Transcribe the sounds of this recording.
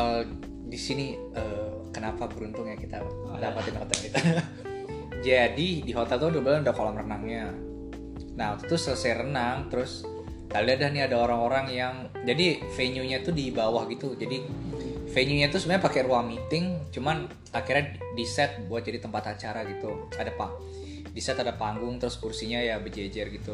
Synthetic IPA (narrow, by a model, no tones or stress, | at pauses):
ə | disini | ə | kənapabəɾunt̪ʊŋjakit̪a̰ | dapat̪ɪnhot̪ɛlɡit̪u | d͡ʒadidiɦot̪ɛlt̪udubəlanudahkolɔmrənaŋɲa | nahut̪u̥t̪ʊsələsajrənaŋt̪əɾʊs | t̪aliadahniadaoɾaŋoɾaŋjaŋ | d͡ʒadifeɲuɲat̪ʊdibawahɡit̪ud͡ʒadi | feɲuɲat̪usubaɲapakɛruaŋmit̪ɪŋt͡ʃuman | akirɲadisɛt̪̚buat̪̚d͡ʒadit̪əmpat̪at͡ʃaɾaɡit̪uadapa | disɛt̪adapaŋɡʊŋt̪əɾʊskursiɲajabəd͡ʒed͡ʒɛrɡit̪u